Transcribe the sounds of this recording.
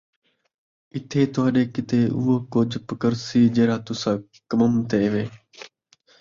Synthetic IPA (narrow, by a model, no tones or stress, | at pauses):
ɪt̪ʰeːt̪ʊaːɗeːkɪt̪eːʔʊːoːkʊd͡ʒpəkəɾsiːd͡ʒeːɾaːt̪ʊsãː | kəməmt̪eːʋẽː